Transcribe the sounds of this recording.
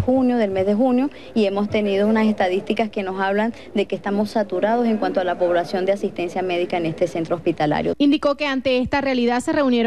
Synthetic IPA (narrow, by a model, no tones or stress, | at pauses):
xunjoðe̞lme̞zðe̞xunjo̞ | ie̞mo̞st̪e̞niðounase̞st̪aðist̪ikaske̞no̞saβlan | d̪e̞kest̪amo̞sːat̪uɾaðo̞se̞ŋkwant̪oalapo̞βlasjo̞nd̪easist̪e̞nsjame̞ðikaene̞st̪e̞se̞nt̪ɾoospit̪ala̰ɾjoind̪iko̞ke̞ant̪e̞est̪arealiðaðse̞re̞unje̞ɾ